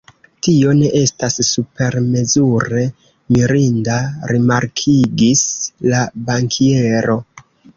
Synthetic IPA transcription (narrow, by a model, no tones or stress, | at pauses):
tio̞ne̞ʔe̞stasːupe̞ɾme̞zuɾe̞ | miɾindaɾimaɾkʰiɡislabaŋkʰie̞ɾo̞